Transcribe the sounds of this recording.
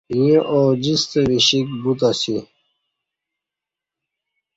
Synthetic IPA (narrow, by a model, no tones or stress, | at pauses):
ĩeʔoːd͡ʑist̪eɾiɕik̚but̪̬asi